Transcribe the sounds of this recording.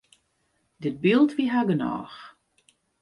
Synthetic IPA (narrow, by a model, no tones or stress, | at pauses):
dɪt̚bɪlˠtʋiɦaɡənɔ̰ːx